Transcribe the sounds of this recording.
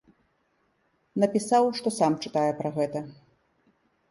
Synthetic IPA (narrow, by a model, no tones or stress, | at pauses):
nɐpʲisawʂt̪ɔsamt͡ʂɨt̪ajɛpɾɐɣɛt̪ɐ